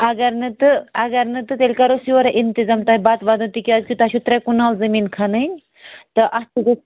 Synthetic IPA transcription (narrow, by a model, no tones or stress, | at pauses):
ɐɡɐɾnɨt̪ɨɐɡɐɾnɨt̪ɨt̪elʲkɐɾosioɾɐʔint̪izaːmt̪aːɦibaːt̪ʋaːd̪ɐnt̪ikiaːzkit̪at͡ʃʰut̪ɾekunaːlzɐmiːnkʰanɨnʲ | t̪ɨʔɐst̪uɡo